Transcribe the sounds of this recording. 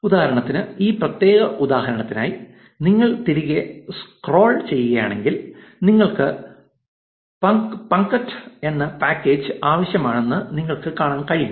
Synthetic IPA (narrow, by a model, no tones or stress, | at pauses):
ud̪aːhɐɾɐɳɐt̪ːinɨiːprɐt̪je̞ːɣɐʔud̪aːhɐɾɐɳɐt̪ːina̰ːji | niŋːɐɭt̪iɾiɣeskro̞ːɭt͡ɕe̞jːuɣɐja̰ːɳe̞ŋɡilniŋːɐɭkɨ | pɐŋpɐŋkɐʈːe̞nːɐpaːkːe̞ːd͡ʑɨaːʋɐɕjɐmaːɳe̞nːɨniŋːɐɭkɨkaːɳaːnkɐɻij